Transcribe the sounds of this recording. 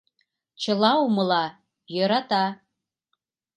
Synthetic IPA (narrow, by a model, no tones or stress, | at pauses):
t͡ʃʰɨlawmɨla | jaɾatʼa